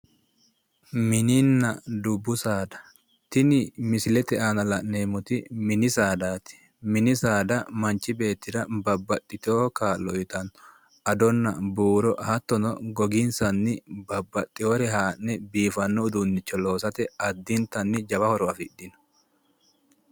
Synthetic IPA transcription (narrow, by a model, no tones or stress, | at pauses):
mɪnɪnːɐd̪ʊbːʊsaːd̪ɐ̥ | t̪ɪnɪmɪsɪlɛt̪ɛʔaːnɐlɐʔneːmʊt̪ɪmɪnɪsaːd̪aːt̪ɪ̥ | mɪnɪsaːd̪ɐmɐnt͡ʃːɪbe̞ːt̪ːɪd̪ɐbɐbːɐt̪ʼːɪt̪oːkaːlɔɪt̪ɐnːɔ̥ | ɐd̪ɔnːɐ̰buːɾɔhɐt̪ːɔnɔɡɔɡɪnsɐnːɪbɐbːɐt̪ʼːɪhɔɾɛɦaːʔnɛbiːfɐnːɔʊd̪ʊnːɪt͡ʃːɔlo̞ːsɐt̪ɛɐd̪ːɪnt̪ɐnːɪd͡ʒɐbɐhɔɾɔɐfɪɗːɪn